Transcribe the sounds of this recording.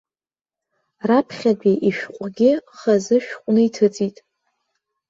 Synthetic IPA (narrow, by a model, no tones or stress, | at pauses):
rapʰχʲadiʔiʃᶣqʷʼɡʲɪχazɨʃᶣqʷʼnɨitʰɨt͡sʼitʼ